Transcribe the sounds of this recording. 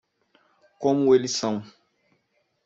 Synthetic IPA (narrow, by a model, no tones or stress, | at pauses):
kɔ̃mwelisãw̃